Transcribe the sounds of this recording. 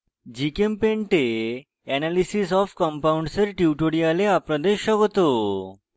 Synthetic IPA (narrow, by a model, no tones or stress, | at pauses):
d͡ʑikempẽɳʈe | ɛnalisis̬ɔfkəmpauɳɖsəɾʈiʈoɽialeapɾəd̪eɕəɡt̪o